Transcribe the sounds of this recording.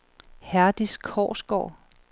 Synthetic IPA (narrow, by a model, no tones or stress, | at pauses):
hæɐd̥iskʰɒ̰ːsɡ̥ɒ̰ː